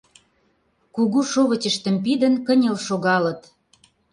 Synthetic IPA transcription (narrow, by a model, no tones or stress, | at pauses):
kuɣuʃoβə̆t͡ɕə̆ʃt̪ə̆mpid̪ə̆nkə̆nʲelʃoɣɑlə̆t̪